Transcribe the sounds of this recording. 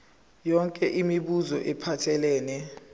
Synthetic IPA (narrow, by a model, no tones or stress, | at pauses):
jɔŋkʼɛʔimiɓuzɔʔɛpʰatʰɛlɛːnɛ